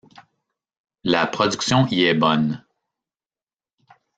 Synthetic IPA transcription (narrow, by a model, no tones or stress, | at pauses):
lapχɔd͡zyksjɔ̃iɛbɔn